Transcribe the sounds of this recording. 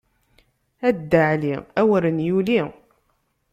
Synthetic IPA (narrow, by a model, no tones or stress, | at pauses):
æd̪ːəʕliæwəɾənjuli